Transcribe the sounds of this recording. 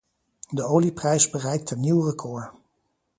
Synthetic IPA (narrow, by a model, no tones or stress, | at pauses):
dəowliprɛjzbərɛjk̚təniwrəkʰʊːɹ